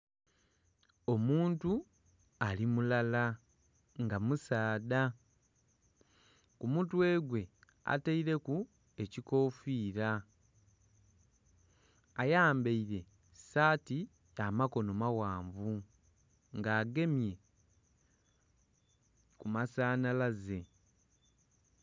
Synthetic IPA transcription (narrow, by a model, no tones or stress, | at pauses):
o̞muːntu | alimulala | ŋɡamusaːda | kumutwe̞ːɡwe̞ | a̰taiɾe̞ku | e̞ciko̞fiːɾa | ajaːmbeiɾe̞ | saːti | amako̞no̞mawaːɱvu | ŋɡaːɡe̞mje̞ | kumasaːnalaze̞